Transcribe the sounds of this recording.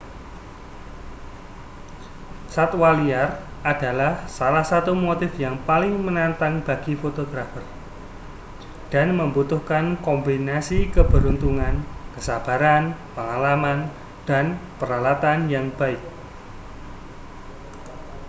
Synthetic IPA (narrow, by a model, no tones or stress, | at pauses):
sat̪waliarad̥a̤lahsalahsat̪umot̪ɪfjaŋpalɪŋmənant̪aŋb̥a̤ɡ̥ifot̪oɡɾafər | d̥anməmbut̪ʊhkankɔmbinasikəb̥əɾunt̪uŋankəsab̥a̤ɾanpəŋalaman | d̥anpəɾalat̪anjaŋb̥aɪk̚